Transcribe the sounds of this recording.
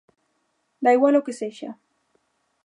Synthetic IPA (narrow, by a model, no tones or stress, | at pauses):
lajwalokeseʃa̰